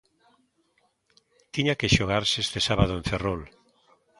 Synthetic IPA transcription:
t̪iɲakeʃoɣ̞aɾsest̪esaβað̞oẽɱferol

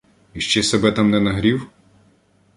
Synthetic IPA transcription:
iʃt͡ʃɛsɛbɛt̪amnɛnɐɦɾʲiw

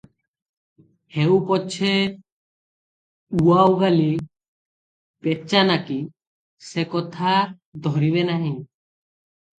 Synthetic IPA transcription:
hewpɔt͡ʃʰe | uawɡali | pet͡ʃanaki | sekɔt̪ʰa | d̪ʱɔɾiβenaɦĩ

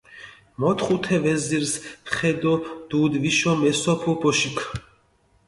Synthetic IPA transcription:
mɔt̪ʰχut̪ʰɛvɛziɾsχɛd̪ɔd̪̥ud̪viʃɔmɛsɔpʰɔbɔʃikʰ

